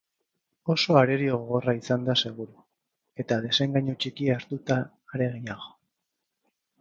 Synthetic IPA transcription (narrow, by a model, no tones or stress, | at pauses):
o̞so̞aɾe̞ɾioɣoɣo̞raisand̪ase̞ɣ̞uɾu | e̞t̪að̞e̞se̞ŋɡaɲot͡ʃikiaɾt̪ut̪aː | ɾe̞ɣiɲaɣo̞̥